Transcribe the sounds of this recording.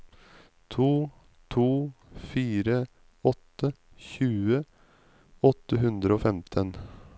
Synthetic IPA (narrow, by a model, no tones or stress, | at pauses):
t̪ʰuː | t̪ʰuːfiːɾə | ɔt̪ːə | çʉːə | ɔt̪ːəɦʉnd̪ɾəoːfɛmt̪ʰən